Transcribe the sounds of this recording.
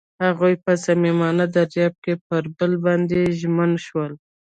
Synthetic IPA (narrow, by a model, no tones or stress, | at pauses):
haɣujpəzamimɑnad̪aɾjɑb̚kep̚əɾbəlbɑnd̪eʒmənʃwəl